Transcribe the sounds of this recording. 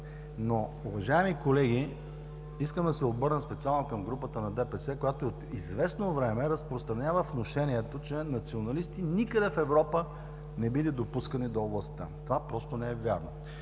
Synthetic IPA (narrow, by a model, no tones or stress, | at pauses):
noʊvɐʒaɛmikolɛɡ̟ʲi | iskəmd̪ɐsɛobɤɾnəspɛt̪sialˠnokɐmɡɾupət̪ənɐd̪ɛpɛsɛkojat̪oiot̪izvɛsnovɾɛmɛɾɐspɾost̪ɾɐnʲavəfnoʃɛniɛt̪ot͡ʃɛnɐt̪sionɐlist̪inikəd̪ɛfɛvɾɔpə | nɛbilid̪opuskənid̪ooblˠɐst̪ət̪ovapɾɔst̪onɛɛvʲjaɾno